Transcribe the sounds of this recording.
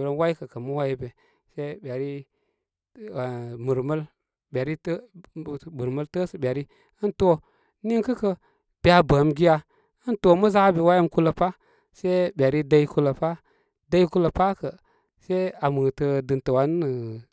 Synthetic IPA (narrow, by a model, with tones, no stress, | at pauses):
ɾə˦nwa˦i˦kə˨kə˨mə˦wa˦ji˦be˨ | se˦be˨ɾi˦˨ | mu˨ɾmə˦l | be˨ɾi˦˨ | bu˨ɾmə˦ltə˦sə˨be˨ɾi˦ | ə˦nto˦ | ni˦ŋkə˦kə˦ | b̥i˦a˨bə˨˦mɡi˦ja˦ | ə˦nto˦mə˦za˦be˨wa˦jə˦mku˦lə˨pa˦ | se˦bʲe˨ɾi˦da˦i˦ku˦lə˨pa˦ | da˦i˦ku˦lə˨pa˦kə˨ | se˦a˨mə˨tə˧dɨ˨ntə˨wa˨˦nː˦ə˨